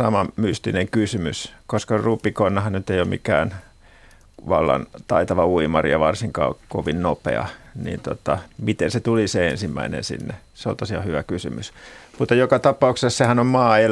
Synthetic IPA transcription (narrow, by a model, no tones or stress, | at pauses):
sɑmɑmyst̪ineŋkysymyskoskɑrupːikonːɑhɑnnyt̪ːeijomḭkæ̰ːn | ʋɑlːɑ̰nt̪ɑit̪ɑʋɑuimɑrijɑʋɑrsiŋkɑ̰ːkoʋinnopḛɑ̰nḭːnt̪ot̪ɑmit̪enset̪uliseensimːæ̰inḛnsḭnːe | seo̰nt̪osihɑ̰hyʋækysymysmut̪ːɑjokɑt̪ɑpɑuksessehænommɑːel